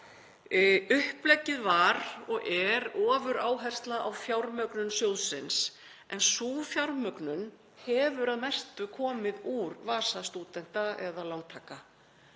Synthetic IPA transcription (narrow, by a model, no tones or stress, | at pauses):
ʏhplɛcːɪðvaɾɔɣɛɾɔːvʏɾaːwɦɛjr̥st̪laʔawfjawɾmœknʏnsjoːwðsɪns | ɛnsuːfjawɾmœknʏn | hɛvʏɾaðmɛjr̥t̪ʏkʰɔːmɪðuɾvaːsast̪uːt̪ɛn̥t̪aɛðalawŋt̪ʰaːka